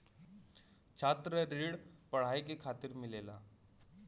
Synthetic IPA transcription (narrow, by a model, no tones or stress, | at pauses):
t͡ʃʰaːt̪ɾəɾiːɽpɐɽ̤aːikekʰaːt̪ɪɾmɪleːla̰ː